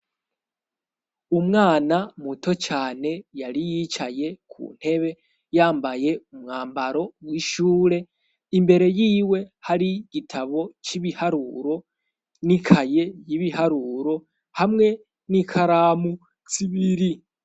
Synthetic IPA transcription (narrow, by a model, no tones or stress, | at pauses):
umŋaːnamutʰo̞t͡ʃaːne̞jaɾijit͡ʃaje̞kʰṵːn̥he̞βe̞ | jaːmbaje̞umŋaːmbaɾo̞wiʃuːɾe̞ | imbe̞ɾe̞jiːwe̞haɾiɡ̥itʰaβo̞t͡ʃiβihaɾuɾo̞ | nikʰaje̞jiβihaɾuːɾo̞ | hamŋe̞ | nikʰaɾamu | t͡siβiɾi